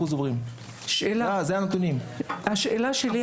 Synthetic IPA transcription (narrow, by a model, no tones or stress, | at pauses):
uzovʁim | ʃʔelazeanet̪unimhaʃelaʃeli